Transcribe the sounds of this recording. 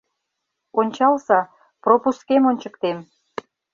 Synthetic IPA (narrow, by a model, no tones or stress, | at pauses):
onʲt͡ɕɑlsɑ | propuskemonʲt͡ɕə̆kt̪em